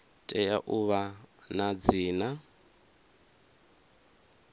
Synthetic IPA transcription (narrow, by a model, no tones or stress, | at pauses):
tʼɛjaʔuβanad͡ziːna